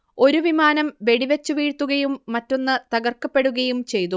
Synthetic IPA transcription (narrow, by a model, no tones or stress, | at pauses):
o̞ɾuʋimaːnɐmʋe̞ɽiʋet͡ɕːuʋiːɻt̪ːuɣɐjumːɐtːo̞nːɨt̪ɐɡɐrkːɐpːe̞ɽuɣɐjumt͡ɕe̞jt̪u